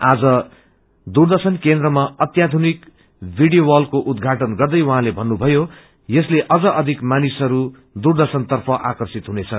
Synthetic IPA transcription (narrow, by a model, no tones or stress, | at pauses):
ad͡zʌ | d̪urd̪ʌsʌnkend̪rʌmaʌt̪jad̪ʱunik | bʱiɽɖijowʌlkoʔud̪ɡʱaʈʌnɡʌrd̪ʌjwʌɦãlebʱʌnːubʱʌjo | jʌsleʔʌd͡zʌʔʌd̪ʱikmanisʌɾu | d̪urd̪ʌsʌnt̪ʌrpʰʌʔakʌrsit̪ɦunet͡sʰʌ